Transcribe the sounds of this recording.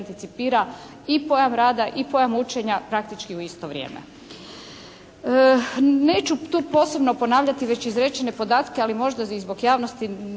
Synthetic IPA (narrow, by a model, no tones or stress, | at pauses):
nt̪it̪sipiːɾa | ipo̞jamɾaːd̪aʔipo̞jamut͡ʃe̞ɲapɾakt̪it͡ʃkiuist̪o̞ʋɾʲjḛːmḛ | ne̞ːt͡ɕut̪uːpo̞ːse̞bno̞po̞naːʋʎat̪iʋe̞t͡ɕizɾe̞t͡ɕene̞po̞d̪aːt̪kealimo̞ʒd̪aizbo̞ɡjaːʋno̞st̪i